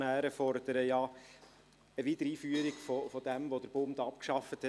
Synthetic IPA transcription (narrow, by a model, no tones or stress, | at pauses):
næːɾəfɔɾd̥̪əɾəjɑː | əviːt̪əɾiːfyːəɾiɡfofɔd̥̪ɛmvod̥̪əɾb̥ʊmd̪ɑpkʃɑfət̪hɛ